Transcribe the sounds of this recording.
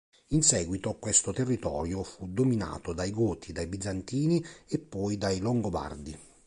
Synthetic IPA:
insɛːɡwit̪okwɛst̪ot̪erːit̪ɔːɾjofud̪omina̰ːt̪od̪ajɡoːt̪ʰid̪ajbid̪zːant̪iːniepːɔjd̪ajloŋɡoba̰rd̪i

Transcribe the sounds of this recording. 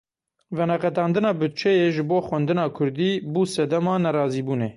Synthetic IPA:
vɛnɛqɛt̪ɑːnd̪ɨnɑːbɨt̪̚t͡ʃʰɛjeːʒɨboːxwɛnd̪ɨnɑːkʰʊɾd̪iːbuːsɛd̪ɛmɑːnɛɾɑːziːbuːneː

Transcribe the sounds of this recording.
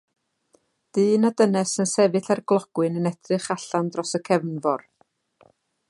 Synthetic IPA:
d̥ɨːnadənɛsənsɛvɨθarɡlˠɔɡ̥wɨnənɛdrɨχaɬandrɔsəkʰɛvnvɔr

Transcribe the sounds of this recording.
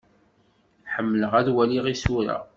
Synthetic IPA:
ħəmːləʁæðwæliʁisuɾa̰

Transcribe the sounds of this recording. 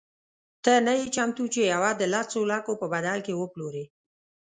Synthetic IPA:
t̪ənajet͡ʃamt̪ut͡ʃejawad̪əlasolakopəbad̪alkewəploɾe

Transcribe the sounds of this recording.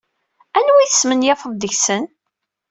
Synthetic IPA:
ænwiθəsmənjæfəðˤd̪əçsən

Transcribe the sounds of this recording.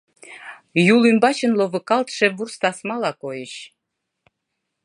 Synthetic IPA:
julymbɑt͡ɕə̆nlovəkɑlt̪ʃevurst̪ɑsmɑlɑkojəɕ

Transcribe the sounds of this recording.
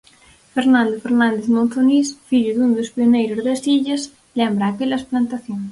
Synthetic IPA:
feɾnãnd̪ofeɾnãnd̪eθmõnθonisfiʎʊðund̪ospionejɾʊzðɐsiʎɐs | lɛmbɾɐːkelɐsplant̪aθjoŋ

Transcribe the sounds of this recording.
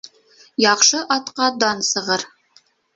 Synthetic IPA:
jɑχʃɤʔɑt̪qɑd̪ɑnsɤ̆ʁɤɾ

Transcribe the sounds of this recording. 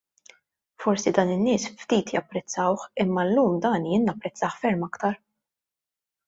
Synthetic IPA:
fɔɾsid̪ɐːnɪnːɪːsft̪iːt̪jɐpːɾɛt͡sːɐwħɪmːɐlːuːmd̪ɐːnjɪːnːɐpːɾɛt͡sːɐːħfɛɾmɐkt̪ɐɾ

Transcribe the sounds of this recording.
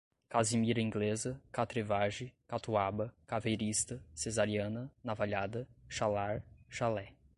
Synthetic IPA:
kazimiɾɐĩŋɡlezɐkat̪ɾevaʒɪkat̪uabɐkavejɾist̪ɐsezaɾiɐ̃nɐnavaʎad̪ɐʃalaɾʃalɛ

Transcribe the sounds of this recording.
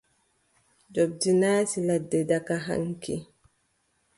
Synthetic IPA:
d͡ʒob̚dinaːsiladːɛdakaɦa̰ŋkʰḭ

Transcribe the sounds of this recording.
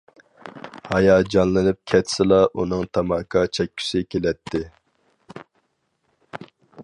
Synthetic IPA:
hɑjɑd͡ʒɑnlˠɨnɨp̚kʲʰɛt̪ʰsɪlˠɑʔunɨŋt̪ʰɑmɑkʰɑt͡ʃʰɛk̚ʲːʰy̥sɪkʲʰelɛt̪ʰːɪ

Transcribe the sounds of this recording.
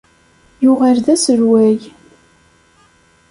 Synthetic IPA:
jʊʁaɾðæsəɾwæj

